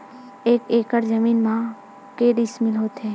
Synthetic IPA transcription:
eːkeːkəɾd͡ʒəmiːnmã | keːɖɪsmɪlɦoːt̪ɦɛ̃ː

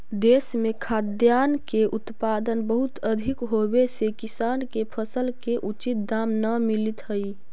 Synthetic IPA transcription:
d̪eːsmẽkʰad̪jaːnkeʔʊt̪pad̪ənbəɦʊt̪əd̪ʱikɦobesekisaːnkepʰəsəlkeʔut͡ʃit̪̚d̪amnəmilit̪ɦəi

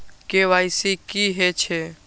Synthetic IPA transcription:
keʋaɪsikiɦet͡ʃʰe

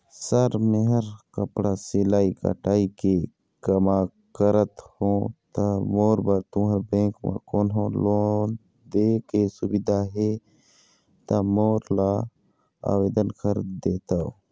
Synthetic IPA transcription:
sɐɾmeɦəɾkəpɽasilaːikɐ̰ʈaːike | kɐmaː | kəɾət̪hõːt̪amoːɾbaɾt̪ũːɦɐɾbẽːkma̰koːnɦõːloːn | d̪eːkesubid̪aɦe | t̪amoːɾla | a̰ːweːd̪ənkʰəɾd̪eːt̪ao

